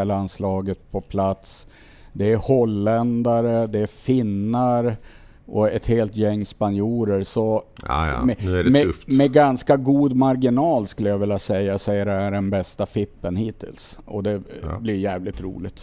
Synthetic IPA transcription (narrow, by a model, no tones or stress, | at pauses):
ɛlaanslɑːɡət̪̚pʰɔpʰlat̪s | d̪ɛæɾhɔlːɛnd̪aɾəd̪ɛæfɪnːaɾ | ʔɔɛt̪heːlt̪jɛŋːspanjuːɾəɾsɔ̰ | mɛmɛmmɛɡanskaɡuːd̪maɾɡɪnɑːlskɵlːəjavɪljasɛjːasɛjːad̪ɛæɖɛnbɛst̪afɪpːənhiːt̪ʰɪ̰lsɔd̪ɛblɪɾjæːvlɪt̪ɾṵːlɪt̪